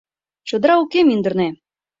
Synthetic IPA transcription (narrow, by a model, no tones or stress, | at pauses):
t͡ɕŏd̪ɾɑukemind̪ə̆rne